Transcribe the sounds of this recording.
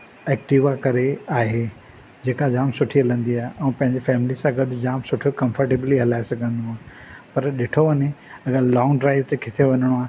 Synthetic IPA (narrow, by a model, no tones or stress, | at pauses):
ɛːkʈiʋakɐɾeaːɦe | d͡ʑeːkad͡ʑaːmsʊʈʰiɐlə̃nd̪iaːɦeʔɛ̃ːpɐ̃ɦɪ̃ɲd͡ʑefɛːmlisãɡɐdd͡ʑaːmsʊʈʰjokɐ̃mfəɾʈebliɦɐlaːɪsɐɡʱə̃nd̪oaː | pɐɾɗɪʈʰoʋɐneɐɡalɔ̃ːŋɖɾaːɪvt̪ekʰɪt̪ʰeʋɐɲəɽ̃oaːɦe